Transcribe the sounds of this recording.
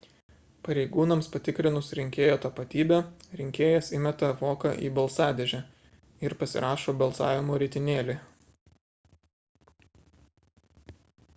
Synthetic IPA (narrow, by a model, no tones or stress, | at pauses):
pɐɾʲɛɪɡuːnɐmspɐt̪ʲɪkɾʲɪnʊsɾʲɪŋʲkʲeːjoːt̪ɐpɐt̪ʲiːbʲɛɾʲɪŋʲkʲeːjɛsɪmʲɛt̪ɐʋoːkɐʔḭːbɐlˠsɑːd̪ʲeʒʲæ | ɪɾpɐsʲɪ̰ɾʔɑːʃoːbɐlˠsɑ̰ːʋʲɪmoːɾʲɪt̪ʲɪnʲeːlʲe